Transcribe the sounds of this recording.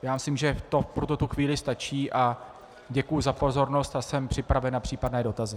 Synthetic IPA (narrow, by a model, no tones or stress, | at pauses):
jaːmɪslimʒɛt̪o̞pɾot̪ot̪uxviːlɪst̪at͡ʃiːʔa | ɟɛkujʊzapo̞zo̞ɾno̞st̪asɛmpr̥ɪpɾavɛnapr̥iːpadnɛːdo̞t̪azɪ